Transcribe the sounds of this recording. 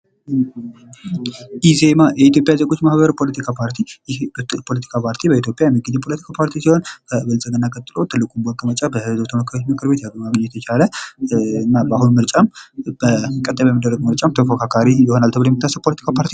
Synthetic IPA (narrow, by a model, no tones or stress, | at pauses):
ʔizemajɛit̪jo̞pʼjazəɡo̞t͡ʃːmahbəɾpʰo̞lət̪ʰikʰapʰaɾt̪ʰijɪhbt̪pʰolət̪ʰi̥kʰapʰaɾt̪ʰibəit̪ʰjopʼjajɛmːɨɡɨzepʰolət̪ʰi̥kʰapʰaɾt̪ʰisiho̞nkʰəɨβɨlsʼəɡənːakʼət̪ʼːɨlo̞t̪ʰɨlːɨkʼumbəkʼːɨmət͡ʃʼabəhɨzot̪ʰəməkʰːəɾot͡ʃːmɨkʰɨɾbe̞t̪jaɡmaɡəɲːɛjɛt̪ʰət͡ʃʰalə | ɨnːabahunmɨɾt͡ʃʼamb̥əkʼət̪ʼːəbajmid̪ːəɾrːəɡ̚mɨɾt͡ʃʼamt̪ʰəfokʰakʰaɾijɛho̞nalt̪ʰəβɨlojɛmit̪ːasːəpʰolət̪ʰi̥kʰapʰaɾt̪ʰi